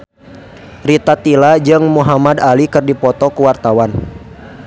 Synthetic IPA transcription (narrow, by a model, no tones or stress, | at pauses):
rit̪at̪ilad͡ʒɨŋmuɦamadalikɨrdipɔt̪ɔkuwart̪awan